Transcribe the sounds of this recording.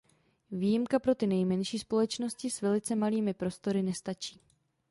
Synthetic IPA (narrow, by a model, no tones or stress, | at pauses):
viːjɪmkapɾo̞t̪ɪnɛjmɛnʃiːspo̞lɛt͡ʃno̞scɪsvɛlɪt͡sɛmaliːmɪpɾo̞st̪o̞ɾɪnɛst̪at͡ʃiː